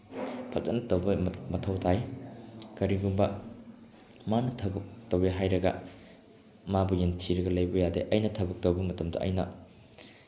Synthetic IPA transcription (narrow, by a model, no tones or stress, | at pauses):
pʰɐk̚zɐt̚nɐtɐwbɐmɐtʰɐwtʰaj | kɐɾiɡumbɐ | manɐtʰɐbɐk̚tɐweɦajɾɐɡɐ | mabujentʰiɾɐɡɐlɐjbɐjadeʔɐjnɐtʰɐbɐk̚tɐwbɐmɐtɐmdɐ̰ʔɐ̰jnɐ̰